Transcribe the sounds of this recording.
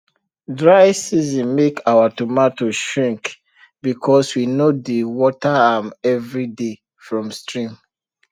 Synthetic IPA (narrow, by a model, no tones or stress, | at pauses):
dɹaɪsizɔ̃nmekʰawatumatoʃɹĩŋk | bikʰɔswinodewɔtaamɛvɹide | fɹɔ̃mstɹĩm